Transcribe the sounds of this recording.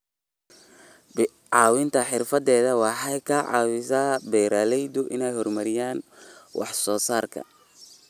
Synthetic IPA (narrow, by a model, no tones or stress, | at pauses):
ʕɑːwɪnt̪ʰɐħɪrfɐdɛːðɐwɑħɑjkʰɐːʕɑ̰ːwɪsaːbɛjɾaːlɛjd̪ʊʔɪnɛjhɔrmɐɾɪjaːnwʔɑ̰ħsɔːsaːrkʰɐ̰